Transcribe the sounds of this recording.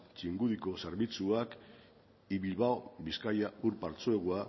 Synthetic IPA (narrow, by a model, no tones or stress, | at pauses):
t͡ʃiŋɡuðiko̞seɾβit͡suak | iβilβaobiskajauɾpaɾt͡soeɣua